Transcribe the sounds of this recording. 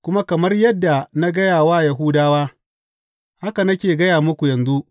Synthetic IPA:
kʷʊ˦ma˦kɐ˨mɐ˦rjɐ˦dːa˨na˦ɡɐ˦jaː˨waː˦˨jɐ˨ɦu˦daː˦waː˦ | ha˦ka˨nɐ˦kʲeː˨ɡɐ˦jaː˨mʊ˦kʷu˨jɐ˨nzu˦ʔ

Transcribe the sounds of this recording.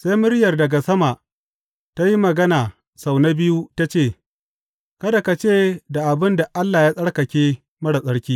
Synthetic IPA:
sa˦jmʊ˦ɽjɐ˨rdɐ˨ɡa˨sɐ˦ma˨ʔ | ta˦ji˦mɐ˨ɡɐ˦naː˨ | sa˨wna˦bɪ˦ju˦ta˦t͡ʃeː˦˨ | kɐ˦da˨ka˨t͡ʃeː˦da˨ʔa˨bɪ˦nda˨ʔa˦lːaː˨jaː˦sʼɐ˦ɽkɐ˨kʲeː˦ | mɐ˦ɽa˨sʼɐ˦ɽkʲiː˦

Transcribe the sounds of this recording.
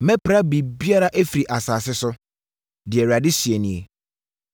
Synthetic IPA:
mɛ̃˦pʰɾa˦bi˨bi˦a˦ɾa˦ʔe˦fi˨ɾi˨ʔa˨saː˨sɪ˦sʊ˦ | dɪ˨ɛ˨ɾi˨a˨dɪ˦si˨e˨nĩ˨e˨

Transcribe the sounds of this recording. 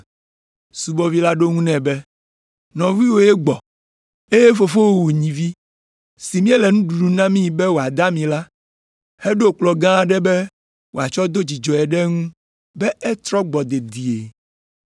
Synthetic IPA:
su˨bɔ˦vi˦la˦ɖo˦ŋũ˦nɛ̃˨bɛ˦ | nɔ̃˨vi˦wo˦je˦ɡ͡bɔ˨ | e˦je˦fo˨fo˦wwo˨ɲĩ˨vi˦ | si˨mĩ˦e˦lɛ˨nũ˦ɖu˨ɖu˨nã˦mĩ˦ji˨bɛ˦wo˨a˨d̪a˦mĩ˨la˦ | he˦ɖo˦˨k͡plɔ˨ɡã˦˨ɖɛ˦bɛ˦ | wo˨a˨t͡ʃɔ˦d̪o˦d͡ʑi˨d͡ʒɔ˨ɛ˨ɖɛ˦ŋũ˦ | bɛ˦ɛ˦t̪ɾɔ˦ɡ͡bɔ˨d̪e˨d̪i˨e˨

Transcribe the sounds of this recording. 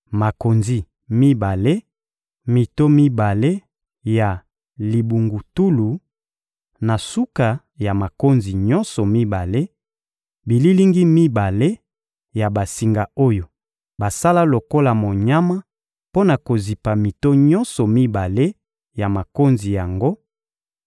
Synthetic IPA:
ma˨ko˨nzi˨ | mi˦ba˨le˦ | mi˨to˦mi˦ba˨le˦ | ja˨ | li˨bu˨ŋɡu˨tu˦lu˨ | na˨su˦ka˨ | ja˨ma˨ko˦nzi˨ɲɔ˦nsɔ˨mi˦ba˨le˦ | bi˨li˦li˦ŋɡi˦mi˦ba˨le˦ | ja˨ba˨si˨ŋɡa˨o˦jo˨ | ba˨sa˦la˦lo˨ko˦la˨mo˨ɲa˦ma˦ | po˦na˨ko˨zi˨pa˨mi˨to˦ɲɔ̃˦nsɔ˨mi˦ba˨le˦ | ja˨ma˨ko˦nzi˨ja˨ŋɡo˦

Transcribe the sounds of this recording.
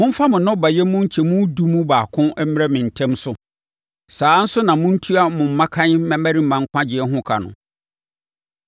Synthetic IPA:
mʊ̃˦m̩˦fa˦mʊ̃˨nʊ̃˦ba˨jɛ˦mʊ̃˦ɲ̩˦t͡ɕʰɛ˨mũ˦du˦mũ˦baː˨kʰʊ̃˦ɛ˦m̩mɪ˦ɾɛ˦mɪ̃˨n̩˨tʰɛ̃˦msʊ˦ | saː˨˦n̩˦sʊ˦nã˨mʊ̃˦n̩˦tʰu˦a˦mʊ̃˨m̩˦mã˦kʰã˦n˦mɛ̃˦mæ˦ɾi˦m̩˨mã˨ŋ˦kʷʰã˦d͡ʑɪ˨ɛ˦ɦʊ̃˦kʰa̰˨nʊ̰̃˨

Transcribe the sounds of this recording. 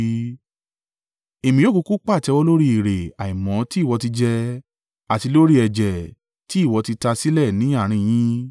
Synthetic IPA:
e˨mĩ˧jo˦ku˧ku˦k͡pa˦˨tɛ˧wɔ˦lo˦ɾi˦i˨ɾe˨a˨i˨mɔ̃˨˦ti˦˨wɔ˨˧ti˧d͡ʒɛ˧ | a˨ti˧lo˦ɾi˦ɛ˨d͡ʒɛ˨ | ti˨˦i˦˨wɔ˧˦ti˧ta˧si˦lɛ˦˨nĩ˨˦a˦˨ɾ̃ĩ˧j̃ĩ˦

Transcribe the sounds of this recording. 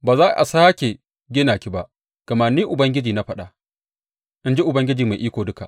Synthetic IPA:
baː˨zaː˦˨ʔa̰˨saː˦kʲe˨ | ɡʲɪ˦naː˨kʲi˦ba˦ʔ | ɡ̥ɐ˨maː˨nːiː˦ʔʊ˨bɐ˦ŋɡʲɪ˦d͡ʒiː˨na˦ɸɐ˦ɗa˨ | ʔɪ˦nd͡ʒi˦ʔʊ˨bɐ˦ŋɡʲɪ˦d͡ʒiː˨ma˨ʔiː˦kʷoː˨dʊ˦ka˨ʔ

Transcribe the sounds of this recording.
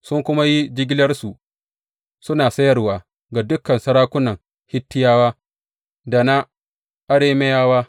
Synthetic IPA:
sʊ˦ŋkʷʊ˦ma˦ji˦d͡ʒɪ˦ɡʲɪ˦lɐ˦rsu˨ | sʊ˦naː˨sɐ˦jɐ˦rwaː˨ | ɡa˨dʊ˦kːɐ˨nsɐ˦ɾaː˦kʷʊ˦nɐ˨ŋ | hɪ˦tːɪ˦jaː˦waː˦ | da˨na˦ | ʔa˦ɽeː˦me˦jaː˦waː˦

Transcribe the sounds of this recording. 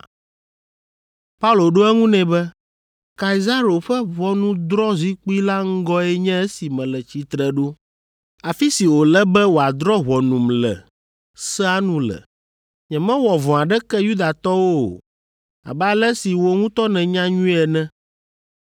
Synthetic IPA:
pa˦u˦lo˨ɖo˦ɛ˦ŋũ˦nɛ̃˨bɛ˦ | ka˨i˨za˦ɾo˨ɸɛ˦βɔ˦nũ˦d̪ɾɔ˦zi˦k͡pi˦la˦ŋ̩˦ɡɔ˦ɛ˦ɲɛ̃˦ɛ˦si˨mɛ̃˨lɛ˨t͡ɕi˨t̪ɾɛ˨ɖo˦ | a˨fi˦si˨wo˨lɛ˦bɛ˦wo˨a˨d̪ɾɔ˦ɦɔ˨nũ˨mlɛ̰˨ | sɛ˦a˦nũ˦lɛ̰˨ | ɲɛ̃˨mɛ̃˦wɔ˨vɔ̃˨a˨ɖɛ˦kɛ˦ju˦d̪a˨t̪ɔ˦wo̰˦˨ | a̰˨bɛ˦a˦lɛ˦si˨wo˦ŋũ˦t̪ɔ˦nɛ̃˨ɲã˦ɲũ˦ɛ˨nɛ̃˦

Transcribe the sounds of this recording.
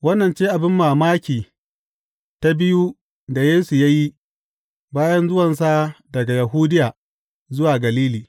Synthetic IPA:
wɐ˦nːɐ˨nt͡ʃeː˦ʔa˨bɪ˦mːaː˨maː˦kʲiː˨ | ta˦bɪ˦ju˦ | da˨jeː˦su˨ja˦ji˦ | baː˦jɐ˦nzʊ˦wɐ˨ns̬a˦dɐ˨ɡa˨jɐ˨ɦuː˦dɪ˦jaː˨ | zʊ˦waː˨ɡɐ˨liː˦liː˨

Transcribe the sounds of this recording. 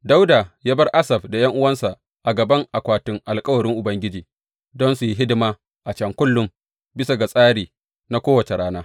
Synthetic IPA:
da˦wdaː˨jaː˦bɐ˦rʔa˦sɐ˨ɸda˨jɐ˦ŋʔʊ˦wɐ˦nsa˨ʔ | ʔa˨ɡɐ˨bɐ˦ŋʔa˨kʷaː˨tʊ˦ŋʔa˨lkʼɐ˦wɐ˨ɽɪ˦ŋʔʊ˨bɐ˦ŋɡʲɪ˦d͡ʒiː˨ | dɔ˦nsu˨ji˦ɦɪ˦dɪ˦maː˦ | ʔa˨t͡ʃɐ˨ŋkʷʊ˦lːʊ˨m | bɪ˦sa˨ɡa˨sʼaː˦ɽiː˨ | na˦kʷoː˦wɐ˨t͡ʃe˨ɽaː˦naː˦

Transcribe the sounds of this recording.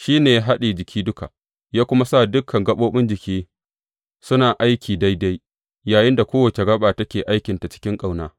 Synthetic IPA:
ʃiː˦neː˨ja˦ɦa˦ɗiː˨d͡ʒɪ˨kʲʰiː˦dʊ˦ka̰˨ | jaː˦kʷʊ˦ma˦sa˦˨dʊ˦kʰːɐ˨ŋɡɐ˦ɓoː˦ɓɪ˦nd͡ʒɪ˨kʲʰiː˦ | sʊ˦naː˨ʔa˦jkʲʰiː˨da˦jda˦j | jaː˨jɪ˦nda˨kʷoː˦wɐ˨t͡ʃe˨ɡɐ˦ɓaː˨tɐ˦kʲeː˨ʔa˦jkʲɪ˨nta˨t͡ʃɪ̥˦kʲɪ˦ŋkʼa˨wnaː˦

